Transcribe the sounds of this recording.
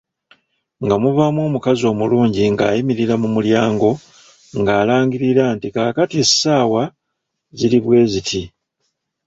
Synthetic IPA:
ŋɡamuvamwo̞ːmukazo̞ːmuluːɲɟiŋɡaːjimiɾiɾamumuljaːŋɡo̞ | ŋɡaːlaːŋɡiɾiɾantikakatisaːwa | ziliβwe̞ːzitʰi

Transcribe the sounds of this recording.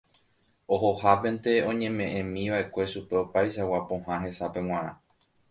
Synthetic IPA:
o̞ɦo̞hapẽ̞nt̪e̞õ̞ɲẽ̞mẽ̞ʔẽmĩʋaʔe̞kʷe̞ʃupe̞opajʃawapõhãɦe̞sapẽ̞w̃ãɾ̃ã̰

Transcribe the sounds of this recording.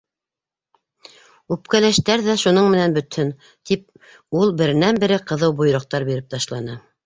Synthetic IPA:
ʉpkælæʃt̪æɾðæʃunoɴmɘ̆nænbɵ̆t̪hɵn | t̪ip̚ | ulˠbɘ̆ɾɘ̆nænbɘ̆ɾɘqɤ̆ðɤwbuj̆ɾŏq̚t̪ɑɾbiɾɘp̚t̪ɑʃlˠɑnɤ

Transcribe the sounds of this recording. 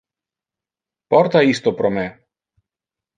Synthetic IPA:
pɔɾt̪aist̪ɔpɾɔmɛ

